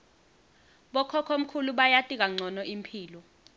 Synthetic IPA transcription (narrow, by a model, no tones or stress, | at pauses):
ɓɔkʰɔkʰom̩kʰuluɓajatʼik̬aŋ͡ǀʱɔnɔʔim̩pʰiːlɔ